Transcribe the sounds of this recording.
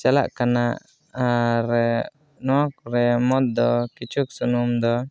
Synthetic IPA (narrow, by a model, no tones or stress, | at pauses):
t͡ʃala̰ʔkanaʔ | aɾɛ | nɔwak̚ɾɛmɔt̪̚d̪ɔkit͡ʃuk̚sunumd̪ɔ